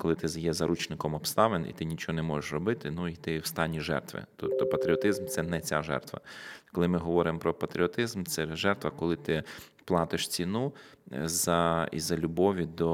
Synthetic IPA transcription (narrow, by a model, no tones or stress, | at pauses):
kɔlˠɪt̪ɪzjɛzɐɾʔut͡ʃnɪkɔmɔpst̪ɑʋenḭt̪ɪnʲit͡ʃɔɦɔnɛmɔʒeʃrɔbɪt̪ɪnuit̪ɪwst̪ɑnʲːiʒɛ̰rt̪ʋɪ̰t̪upt̪ːɔpɐt̪ɾʲiɔt̪ɪzmt̪sɛnɛt͡sʲaʒɛ̰rt̪ʋɐ̰kɔlˠɪmɪɦɔʋɔɾɪmɔpɾɔpɐt̪ɾʲiɔt̪ɪzmt̪sɛʒɛrt̪ʋɐkɔlˠɪt̪ɪ | plˠɑt̪ɪʃt͡sʲinuzɐḭzɐlʲʊbɔʋʲid̪ɔ